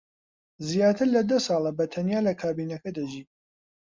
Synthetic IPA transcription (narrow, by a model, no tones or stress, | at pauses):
zjaːt̪ʰɨɾlɐd̪ɐsɑːlˠɐbɐt̪ʰɐnjaːlɐkʰaːbiːnɐkɐd̪ɐʒiː